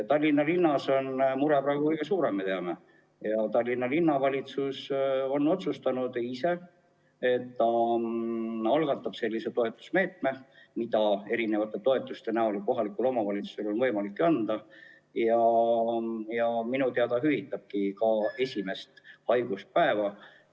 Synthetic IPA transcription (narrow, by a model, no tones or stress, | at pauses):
t̪ɑlʲːinːɑlinːɑso̞nmuɾepɾæːɡ̥ukɤjɡ̥e̞suːɾe̞mːet̪eɑme̞ | jɑt̪ɑlʲːinːɑlinːɑvɑlʲit̪suso̞nːo̞t̪sust̪ɑnud̪ise̞ | e̞t̪ːɑ | ɑlɡ̥ɑt̪ːˑɑb̥se̞lʲːiset̪o̞e̞t̪ːˑu̥sme̞ːt̪̚me̞mid̪ɑe̞ɾine̞vɑt̪ːˑe̞t̪o̞e̞t̪ːˑust̪e̞næo̞liko̞ɦɑlikːˑulo̞mɑvɑlʲit̪su̥se̞lo̞nvɤ̞jmɑlikːeɑnd̪̥ɑ | jɑ | jɑminut̪eɑd̪ɑɦyvit̪ːˑɑb̥̚kikɑe̞sʲime̞st̪hɑjɡ̥ust̪̚pæevɑ